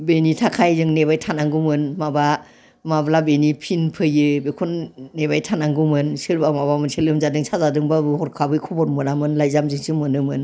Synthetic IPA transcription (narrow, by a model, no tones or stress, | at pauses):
benitʰakʰajzɯŋnebajtʰanaŋɡumɯnmaba | mablabenipʰinpʰɯjɯbekʰɔnːebajtʰanaŋɡumɯnsɯɾbamabamɯnselɯmzadɯŋsazadɯŋbabɯhɔɾkʰabɯjkʰɔbɔɾmɯnamɯnlajzamzɯŋsɯmɯnɯmɯn